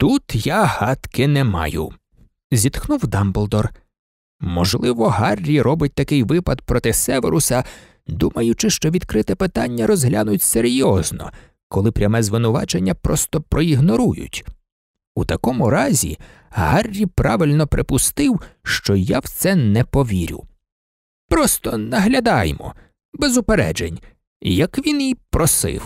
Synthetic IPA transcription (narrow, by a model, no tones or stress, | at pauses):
t̪ut̪jahɑt̪kɪnɛmɑ̰jʊ̰ | zʲit̪xnuwd̪ɑmbɔlˠd̪ɔr | mɔʒlˠɪʋɔɦɑrʲːiɾɔbɪt̚ʲt̪ɐkɪjʋɪpɐd̪̚pɾɔt̪ɪsɛʋḛɾʊsʲɐ | d̪umɐjʊt͡ʃɪʃt͡ʃɔʋʲid̪kɾɪt̪ɛpɪt̪ɑnʲːɐɾɔzɦlʲanʊtʲseɾʲjɔznɔ̰ | kɔlˠɪpɾʲɐmɛzʋɪnʊʋɑ̰t͡ʃenʲːɐpɾɔst̪ɔpɾɔiɦnɔɾujʊ̰tʲ | ut̪ɐkɔmʊɾɑzʲḭ | ɦɑrʲːipɾɑʋɪlʲnɔpɾɪpʊst̪ɪwʃt͡ʃɔjawt̪sɛnɛpɔʋʲiɾʲʊ̰ | pɾɔst̪ɔnɐɦlʲɐd̪ɑjmɔ̰ | bezʊpeɾɛ̰d͡ʒḛnʲ | jɐkʋʲinipɾɔsɪ̰w